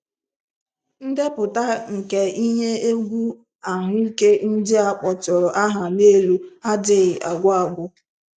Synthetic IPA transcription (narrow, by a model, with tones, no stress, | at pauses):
n̩˦de˦pʊ˨ta˦ŋ̩˨ke˨i˦ɲe˦e˦ɡʷu˦ | a˨ɦʊ˦i˦ke˦n̩˦dɪ˦a˨k͡pɔ˨t͡ʃɔ˨ɾɔ˨ʔa˦ɦa˨ne˦lu˦a˦dɪ˦˨ɣɪ˨ʔa̰˨ɡʷa˨ɡʷʊ˦